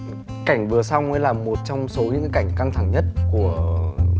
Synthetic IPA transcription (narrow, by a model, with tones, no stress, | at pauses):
ka˧˩jŋ̟vɨ˨˩əsɔ˧wŋ͡mʔa˨˦jlaː˨˩mo˨˩t̚t͡ɕɔ˧wŋ͡mso˨˦ɲɨ̰˧˥ŋ˨˦ka˧˩jŋ̟ka˧ŋt̪ʰa˧˩ŋɲə˦˥t̚ku˧˩ə